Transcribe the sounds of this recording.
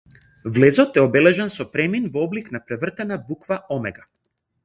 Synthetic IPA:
vlɛzɔt̪ɛɔbɛlɛʒɛnsɔpɾɛminvɔɔbliknapɾɛvr̩t̪ɛnabukvaʔɔmɛɡa

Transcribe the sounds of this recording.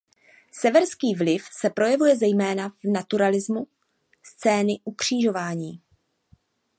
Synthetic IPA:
sɛvɛɾskiːvlɪfsɛpɾo̞jɛvujɛzɛjmɛːnavnat̪uɾalɪzmu | st͡sɛːnɪʔukr̝̥iːʒo̞vaːɲiː

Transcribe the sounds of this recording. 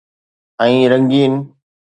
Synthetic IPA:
ɛ̃ːɾə̃ŋɡiːn

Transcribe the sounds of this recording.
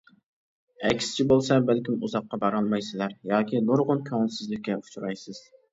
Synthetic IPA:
ɛkʲsɪ̥t͡ʃʰibolˠsɛbælkʲimuzɑqːɑbɑɾɑlˠmɑjsɨlæɾjɑːkʲʰiloɾʁʊnkʲʰɑŋlˠsɪzlɪkʲːɛu̥t͡ʃʰuɾɑjsɨz̥

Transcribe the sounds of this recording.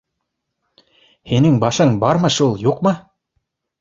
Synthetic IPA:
hinɘŋbɑʃɤɴbɑɾmɤ̆ʃulˠjuqmɤ

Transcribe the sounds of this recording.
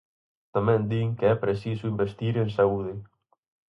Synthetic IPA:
t̪amɛ̃nd̪iŋkeɛpɾesisuimbest̪iɾensauðe

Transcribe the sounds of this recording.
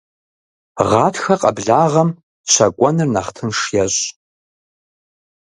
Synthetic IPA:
ʁɑːtʰxɐqʼɐ̰bɮaːʁɐm | ɕɐkʷʼɔnɨrnaχtʰɨnʂjɛɕ

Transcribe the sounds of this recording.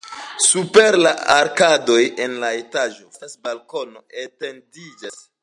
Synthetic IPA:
supe̞ɾlaaɾkado̞je̞nlaetaʒo̞fesbalko̞no̞̰ete̞ndid͡ʒas

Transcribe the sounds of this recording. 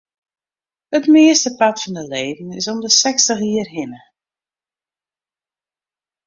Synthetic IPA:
hətmɪəstəpatfɑndəleːvənɪsɔmdəsɛxstəxiːərɦɪnə

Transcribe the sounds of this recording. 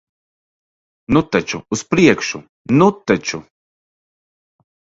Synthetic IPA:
nʊt̪at͡ʃʊʊspɾijakʃʊ̰ | nʊt̪at͡ʃʊ̰

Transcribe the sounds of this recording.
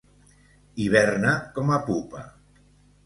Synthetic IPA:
iβɛɾnakɔmapupa̰

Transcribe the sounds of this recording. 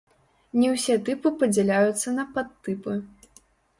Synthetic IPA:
nʲɛwsʲɛt̪ɨpɨpɐd͡zʲɛlʲajut̪sːɐnɐpat̪ːɨpɨ

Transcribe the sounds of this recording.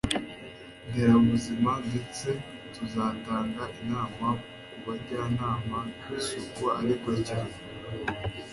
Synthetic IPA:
ndeɾaβuzimanɡet͡se | tuzataːŋɡaʔinaːmaukuβaɟaːnaːmakwisukua̰ɾikweca

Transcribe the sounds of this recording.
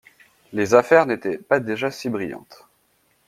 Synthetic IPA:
lezafɛʁnet̪ɛpad̪eʒasibʁijɑ̰̃t̪

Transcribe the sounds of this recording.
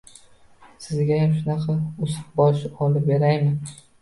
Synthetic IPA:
sɪzɡʲajamʃʊnɑqʰɑʊsɪ̥p̚bɒɾʃɒlˠɪp̚beɾajman

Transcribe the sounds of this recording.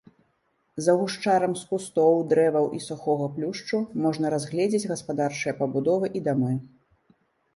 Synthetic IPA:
zɐɣuʂt͡ʂaɾɐmskust̪ɔwd̪ɾɛvɐwʔisuxɔɣɐplʲuʂt͡ʂumɔʐnɐɾazɣlʲɛd͡zʲid͡zʲɣɐspad̪art͡ʂɨjɐpɐbud̪ɔvɨʔid̪amɨ

